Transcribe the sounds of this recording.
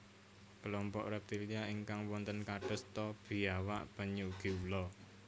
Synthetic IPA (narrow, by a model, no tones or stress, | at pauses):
kəlɔmpɔʔɾɛp̚t̪iliaiŋkaŋwɔnt̪ənkaɖ̥ə̤st̪ɔb̥i̤awa̰ʔb̥ə̤ɲuɡ̥i̤ulɔ